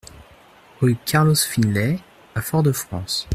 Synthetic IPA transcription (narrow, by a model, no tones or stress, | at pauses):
ɔkʲaʁlɔsfinlɛ | afɔʁd̪əfχɑ̃s